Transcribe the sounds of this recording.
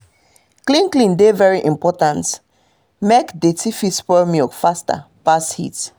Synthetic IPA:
klĩnklĩndevɛɹiʔĩmpɔtãnt | mekdetifispɔmjɔkfasta̰ | pashḭt

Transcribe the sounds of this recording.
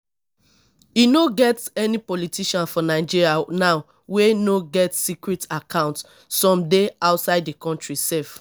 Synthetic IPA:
jinoɡɛtɛnipɔlitiʃãnfɔnaɪd͡ʒiɹianaʊ | wenoɡɛtsikɹɛtakʰãʊ̃nt | sɔ̃mdeaʊtsaɪddekɔ̃ntɹisɛlf

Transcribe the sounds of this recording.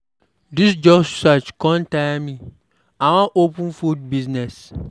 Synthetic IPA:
disd͡ʒɔbsat͡ʃkʰɔ̃ntãmĩ | ãwãʔopʰũnfud̚biznɛs

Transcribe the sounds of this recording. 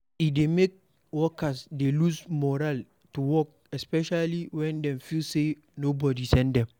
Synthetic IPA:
idemek̚ | wɔkasdelusmɔɾal | tuwɔk̚ | ɛspɛʃaliwɛ̃ndɛ̃mfilse | nobɔdisɛ̃ndɛ̃m

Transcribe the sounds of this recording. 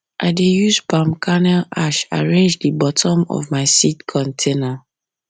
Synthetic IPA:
ʔaɪdejuzpãmkʰanɛlaʃa̰ɹẽnd͡ʒdəbɔtʰɔ̃mɔ̰vmaɪsitkʰɔ̃ntʰena

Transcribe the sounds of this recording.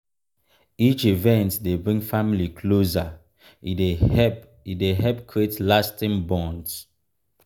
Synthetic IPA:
it͡ʃivɛ̃ntdebɹĩŋfamilikʰloza | ideɛ | ideɦɛp̚kʰɹietlastĩŋbɔ̃nds

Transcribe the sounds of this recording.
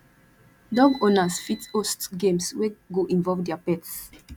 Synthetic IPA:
dɔɡonasfitostɡẽmsweɡoʔĩnvɔvdɛapɛts

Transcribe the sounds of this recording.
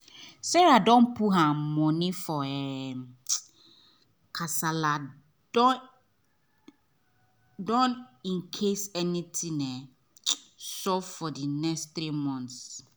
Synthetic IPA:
sɛɹadɔ̃npʰuɦãmɔ̃nifɔɛ | kʰasala | dɔ | dɔ̃nĩnkʰesɛnitʰĩnɛ | sɔvfɔdinɛkst̪ɾimɔ̃ns

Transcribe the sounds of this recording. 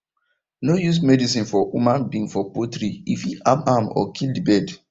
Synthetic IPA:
nojus̬mɛdis̬ĩnfɔumãnbĩŋfɔpotɾiifiʔabamɔ̰kʰildibɛd

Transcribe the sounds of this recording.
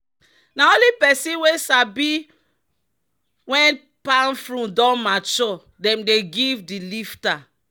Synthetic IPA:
naolipɛsĩwesabi | wɛ̃n | panfɾũdɔ̃mat͡ʃɔ | dɛ̃mdeɡivdilifta

